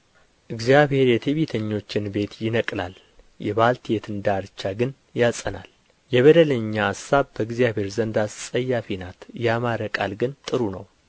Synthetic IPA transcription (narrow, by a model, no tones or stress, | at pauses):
ʔɨɡzijaβhe̞ɾjɛt̪ʰeβit̪ʰəɲːo̞t͡ʃːɪnbe̞t̪jɪnəkʼlal | jɛβalt̪ʰjet̪ʰɨnd̪aɾt͡ʃːaɡɨn | jasʼəna̰l | jɛβəd̪ələɲːaːsːaβbəɨɡzijaβhe̞ɾzənd̪assʼəjːafinat̪jamaɾəkʼalɡɨnt̪ʼɨɾunəw